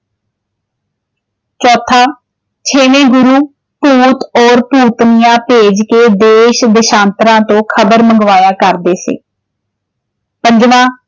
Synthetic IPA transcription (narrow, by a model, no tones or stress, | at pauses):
t͡ʃɔːt̪ʰaː | t͡ʃʰeːnẽːɡʊɾuː | puːt̪ɔːɾpuːt̪nɪjãːpeːd͡ʒkeːd̪eːʃd̪ɪʃãːnt̪ɾãːt̪õːkʰəbəɾməŋɡʋaːjaːkəɾd̪eːsḛː | pə̃ɲd͡ʒmãː